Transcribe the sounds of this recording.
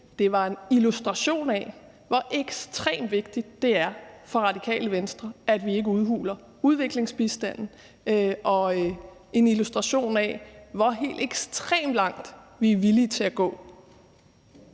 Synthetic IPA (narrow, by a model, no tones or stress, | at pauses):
d̥e̝ʋɑ̈e̝nilusd̥ʁɑ̈ɕo̝̰ːnɛ̰ | ʋɒ̽ʔeɡ̥sd̥ʁḛːmd̥ʋe̝ɡ̥̚d̥i̥ːe̝æɐfɒ̽ʁɑ̈d̥ikʰɛ̰ːləʋensd̥ʁɐʔæd̥ʋie̝ɡ̥əuð̞ˠɦṵːlɐ | uð̞ˠʋe̝ɡ̥le̝ŋsb̥isd̥æn̰n̩ | ʔɒ̽ | e̝nilusd̥ʁɑ̈ɕo̝̰ːnɛ̰ʋɒɦe̝̰ːld̥eɡ̥sd̥ʰʁḛːmlɑ̈ŋ̰d̥ʋiʋiliːt͡sʰe̝æɡ̥ɔ̰ː